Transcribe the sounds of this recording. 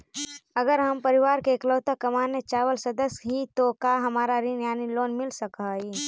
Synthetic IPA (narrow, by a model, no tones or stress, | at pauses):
ɐɡəɾɦɐmpɐɾɪʋaːɾkekloːt̪akɐmaːnet͡ʃaːʋəlsɐd̪əsɦit̪okaːɦɐmaːɾaɾinjaːniloːnmɪlsɐkɦaɦiː